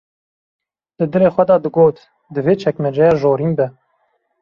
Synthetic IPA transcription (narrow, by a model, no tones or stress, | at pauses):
d̪ɨd̪ɨɾeːxʷɛd̪ɑːd̪ɨɡoːt̪ | d̪ɨveːt͡ʃʰɛkmɛd͡ʒɛjɑːʒoːɾinbɛ